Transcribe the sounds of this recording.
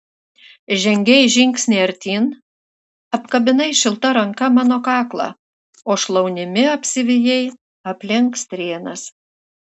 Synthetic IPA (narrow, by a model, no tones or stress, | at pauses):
ʒʲɛŋʲɡʲɛɪʒʲɪŋʲksʲnʲeːɐɾʲt̪ʲiːn | ɐpkɐbʲɪnɐɪʃʲɪlˠt̪ɐɾɐŋkɐmɑːnoːkɑːklˠɑ̰ː | oːʃlˠɐʊnʲɪmʲɪɐpʲsʲɪʋʲɪjɛɪ | ɐpʲlʲɪŋkst̪ʲɾʲeːnɐs